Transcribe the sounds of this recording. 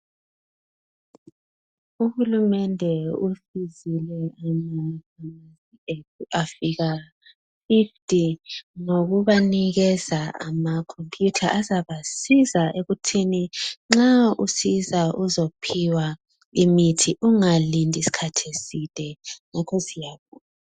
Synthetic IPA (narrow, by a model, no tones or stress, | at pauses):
uhulumɛndʱɛufizilɛamakamisietuafiɣa | fiftʰʼinoɣuβaniɣɛzaa̰makʰompʼʰjutʰaʔazaβasizaeɣutʰiniŋ͡ǁaṵsizaʔuzopʰiwa | imitʰiʔuŋalindʱisi̥kʰatʰesitʼɛŋakʰosijaβuːna